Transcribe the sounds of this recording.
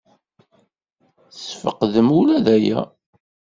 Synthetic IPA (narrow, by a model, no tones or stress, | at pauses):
θsfəqðəmulæðæjæ̰